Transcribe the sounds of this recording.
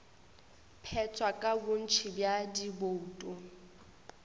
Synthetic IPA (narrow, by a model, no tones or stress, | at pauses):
pʰɛt͡sʰʼwakʼabʊn̩t͡ʃʰɪbjadiboutʼʊ